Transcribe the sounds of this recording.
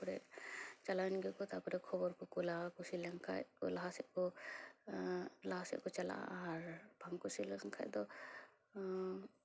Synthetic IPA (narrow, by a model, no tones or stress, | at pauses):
pɔɾɛ̰ʔt͡ʃalanɡɛkɔt̪apɔɾɛkʰɔbɔɾkɔkulakusilɛŋkʰa̰jɔlaɦasɛt̪̚kɔ | laɦasɛ̰ʔ̚kɔt͡ʃala̰ʔa̰ːɾb̥ʱaŋkusilɛŋkʰa̰jd̪ɔ